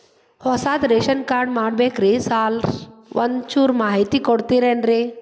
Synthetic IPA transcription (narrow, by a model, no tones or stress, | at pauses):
hɔsaːd̪ɾeːʃənkaːɾɖmaːɽbeːkɾesaːlʋʔɐnt͡ʃuɾmaːɦit̪ikɔɽt̪iɾeːnɾe